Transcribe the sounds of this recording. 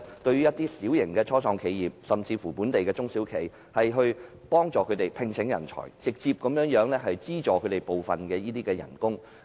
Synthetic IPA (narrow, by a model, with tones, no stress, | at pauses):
t̪ɵ˧ɥyː˥jɐ˥t̚t̪iː˥siː˨˥wjɪ˨˩ŋkɛː˧t͡ʃʰɔː˥sʰɔː˧ŋkʰe˨˧jjiː˨p̚sɐ˨mt͡siː˧fuː˨˩puː˨˥nt̪e˨jkɛː˧t͡sʊ˥ŋsiː˨˥wkʰe˨j | hɐ˨jɦɵ˧ɥ | pɔː˥ŋt͡sɔː˨kʰɵ˨˧˥t̪e˨jpʰɪ˧ŋsʰɪ˨˥ŋjɐ̰˨˩nt͡sʰɔ̰ː˨˩jt͡sɪ˨k̚t͡siː˧p̚kɐ˨˥mjœː˨˥ŋjœː˨˥ŋlɛː˥ɦɐ˨jt͡siː˥t͡sɔː˨kʰɵ˨˧ɥt̪e˨˩jpo˨wfɐ˨nkɛː˧jiː˥t̪iː˥kɛː˧jɐ̰˨˩nkʊ˥ŋ